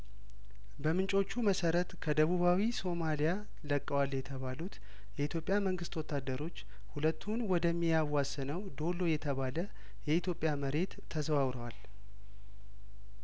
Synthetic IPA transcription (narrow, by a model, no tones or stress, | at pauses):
bəmɨnt͡ʃʼo̞t͡ʃːuməsəɾət̪kʰəd̪əβuβawiso̞malija | ləkʼːəwalːjɛt̪ʰəβalut̪ | jɛit̪ʰjo̞pʼːjaməŋɡɨst̪wɔt̪ʰːad̪ːəɾo̞t͡ʃː | hulət̪ʰːunwɔd̪əmːijawasɨnəwd̪o̞lːo̞jɛt̪ʰəβalə | jɛit̪jo̞pʼːjaməɾe̞t̪ʰːəzβawɾəwal